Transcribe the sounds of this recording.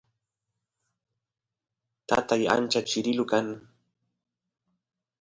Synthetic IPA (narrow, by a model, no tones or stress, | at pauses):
t̪a̰t̪aja̰nt͡ʃat͡ʃɪɾɪlʊkaŋ